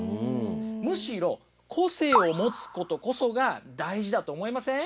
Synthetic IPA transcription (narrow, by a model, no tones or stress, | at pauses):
mɯ̟ɕiɾo̞ | kʰo̞se̞ːo̞mo̞t͡sɨ̥ko̞t̪o̞ko̞so̞ɡad̪aiʑid̪at̪o̞ːmo̞imasẽ